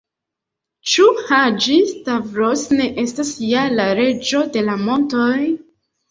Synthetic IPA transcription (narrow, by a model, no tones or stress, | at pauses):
t͡ʃuhad͡ʒistavɾosne̞ʔe̞stasjalaɾe̞d͡ʒo̞de̞lamo̞ntoj